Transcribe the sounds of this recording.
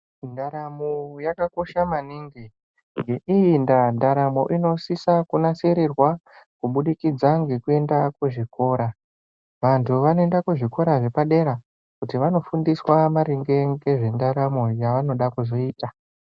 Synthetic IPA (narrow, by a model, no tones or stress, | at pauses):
ndaɾamojakako̞ʃamaniŋɡi | ŋɡe̞ʔijindandaɾamo̰ʔino̞sisakunase̞ɾerwa | kuɓuɗikid͡zaŋɡe̞kue̞ndakuʐiko̞ːɾa | ʋantʰuʋanoendakuʐiko̞ɾaʐe̞paɗe̞ɾa | kutiʋano̞fundiswamaɾiŋɡe̞ŋɡe̞ʐendaɾamojaʋano̞ɗakuzo̞iːta